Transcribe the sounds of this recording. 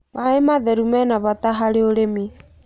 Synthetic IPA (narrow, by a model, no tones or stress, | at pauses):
mʔaemaðɛɾumɛnaβat̪aɦaɾeoɾemi